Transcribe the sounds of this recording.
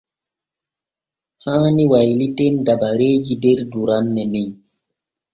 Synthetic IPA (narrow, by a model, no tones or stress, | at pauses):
hãːniwajlitendabaɾeːd͡ʒideɾduɾanːɛmiɲ